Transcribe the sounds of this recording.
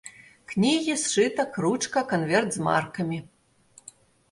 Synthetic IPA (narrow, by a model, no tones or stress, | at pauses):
knʲiɣʲisʂɨt̪ɐkɾut͡ʂkɐkanvʲɛrd̪zma̰rkɐmʲi